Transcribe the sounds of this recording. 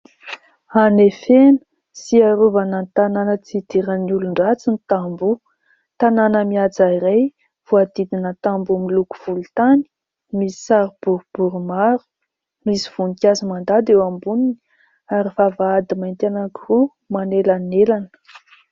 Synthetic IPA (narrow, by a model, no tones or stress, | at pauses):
anefenə̥ | siaɾuvanənt̪ananət͡sid̪iɾəniuluɳɖ͡ʐat͡sinit̪ambu | t̪ananəmiad͡zaiɾaj | v̥uad̪id̪inət̪ambumiluku̥v̥ult̪ani̥ | misi̥saɾub̥uɾub̥uɾumaɾu̥ | misi̥v̥unikʲazimand̪ad̪ewambunini | aɾifavaad̪imaint̪enakiru | manelanelanə̥